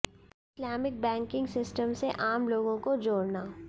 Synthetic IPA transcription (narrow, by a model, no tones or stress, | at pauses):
ɪslaːmɪk̚bɛ̃ːŋkɪ̃ŋɡsɪsʈəmseʔaːmloːɡõkod͡ʒoːɾnaː